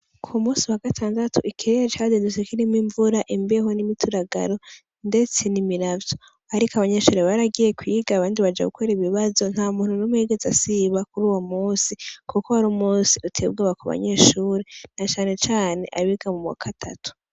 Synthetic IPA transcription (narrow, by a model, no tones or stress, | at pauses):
kʰumuːsiwaɡatʰaːndatʰuikʰiɾet͡ʃadendusekiɾimiɱvuɾaʔimbieɦo̞nimitʰuɾaɡa̰ɾo̞ | nde̞t͡se̞nimiɾavjo̞ | aɾikaβaɲe̞ʃuːɾeβaɾaɡije̞kwiːɡaːβaːndiβad͡ʒa̰ɡukʰoɾeiβiβazo̞n̥haːumuːnhunomuheɡe̞zasiβakuɾuːwomuːnsikʰukoaɾomuːsiutʰe̞ːb̚ɡaβakuβa̰ɲe̞ːʃuːɾenat͡ʃaːne̞t͡ʃaːne̞̰ʔaβiɡamumwa̰kʰatʰa̰tu̥